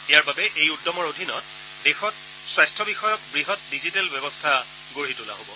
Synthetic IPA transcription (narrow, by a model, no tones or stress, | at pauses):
ijaɹbabɛʔejudːɔmɔɹodʱinɔ̰t̚ | dexɔt | swajstʰɔbixɔjɔt̚bɹiɦɔt̚dizitɛlbɛbɔstʰa | ɡoɹitula̰ɦobɔ